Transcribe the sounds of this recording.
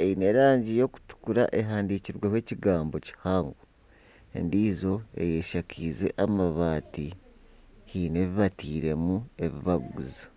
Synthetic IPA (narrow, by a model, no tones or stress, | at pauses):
eine̞ɾaːɲɟijo̞ku̥tu̥kuɾa̰ʔe̞ɦaːndiciɾwewe̞ːciɡaːmbo̞ci̥haːŋɡu | ḛndiːzo̞e̞̰je̞ʃakʰiːze̞̰ʔamaβaːti | hiːne̞βiβatiːɾe̞mue̞βḭβaɡuza